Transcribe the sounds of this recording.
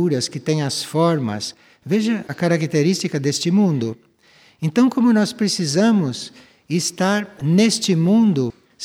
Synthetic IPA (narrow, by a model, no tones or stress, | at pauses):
uɾɐskɪt̪ẽj̃ɐsfɔɾmɐ̰s | veʒɐɐkaɾakit̪eɾist͡ʃikɐd̪est͡ʃɪmũnd̪ʊ | ẽnt̪ɐ̃w̃kõmʊnɔspɾesizɐ̃mʊs | ɪst̪aɾnest͡ʃɪmũnd̪ʊ | s